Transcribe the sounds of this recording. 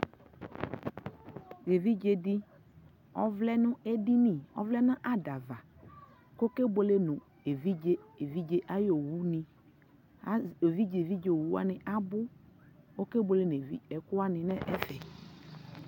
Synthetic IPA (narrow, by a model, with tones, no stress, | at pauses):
ɣe˨vi˦d͡ʒe˨dɪ˦ | ɔ˦vlɛ˦nʊ̃˦e˦di˦ni˨ɔ̰˦vlɛ˦nã˦ʔa˦da˨va˨ | ko˦ke˦bo˨le˦nʊ̃˨ | e˨vi˦e˦e˨vi˦d͡ʒe˦ʔa˦jo˨wu˦nɪ̃˨˦ | o˨vi˦d͡ʒe˨vi˦d͡ʒe˨o˨wu˦a˦nɪ˨ʔa˦bʊ˦ | o˦ke˦bo˨le˦n˨e˨vḭ˦ɛ˨kʊ˦a˦nɪ̃˨nɛ˦ʔɛ˦fɛ˨